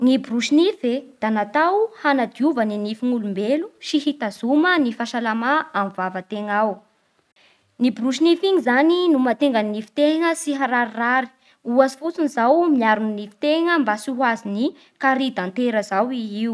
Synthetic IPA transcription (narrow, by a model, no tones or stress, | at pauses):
ŋibɾuʃinifed̪̥anat̪awhanad̪iuvəninifiŋulumbeluʃiɦit̪azumənifaʃalamaamivavət̪eŋaw | nibɾuʃ̬inifiŋizaninumat̪eŋɡənnifi̥t̪eŋəsiɦaɾaɾiraɾi̥ | uazi̥fut͡sunizawmiaɾuninifi̥t̪eŋəmbasuɦwazini | kaɾid̪ant̪eɾəzawiiw